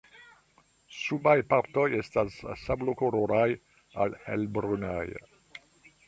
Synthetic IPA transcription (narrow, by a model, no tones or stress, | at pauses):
subajpaɾtojestasːablokoɾoɾaj | alhḛlbɾuna̰j